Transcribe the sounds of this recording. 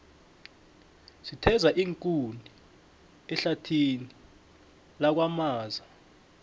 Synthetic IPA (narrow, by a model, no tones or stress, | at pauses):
sitʰɛzaʔiŋkʼunʱi | ɛɬatʰini | lak̬wamaːza